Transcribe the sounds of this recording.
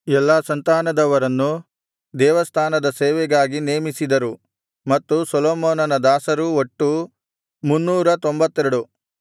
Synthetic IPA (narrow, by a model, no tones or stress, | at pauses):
ɛlːɐsɐnt̪aːnɐd̪ɐʋɐɾɐnːu | d̪ɛːʋɐst̪ʰaːnɐd̪ɐseːʋɛɡaːɡineːmisid̪ɐɾu | mɐt̪ːusɔloːmoːnɐnɐd̪aːsɐɾuoʈːu | munːuːɾɐt̪o̞mbɐt̪ːɛɾɐɽu